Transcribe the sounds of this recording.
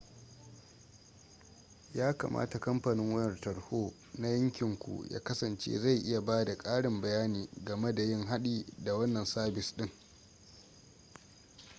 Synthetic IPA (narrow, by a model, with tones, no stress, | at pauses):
jaː˦ka̰ː˨mʔa̰ː˦ta˨kɐ˦mɸaː˨nɪ˦ŋwjɐ˨rtɐ˨ɽhoː˦ | na˦jɐ˦ŋkʲɪ˨ŋkʷṵ˨jʔa̰ː˦kɐ˦sɐ˨nt͡ʃḛː˦za˦˨jʔɪ˦ja˨baː˦da˨kʼaː˦ɽɪ˨mbɐ˨jaː˦niː˨ɡɐ˨me˦da˨jɪ˦ŋɦa˦ɗiː˦da˨wɐ˦nːɐ˨nsaː˦bɪ˨sɗɪ˦ŋ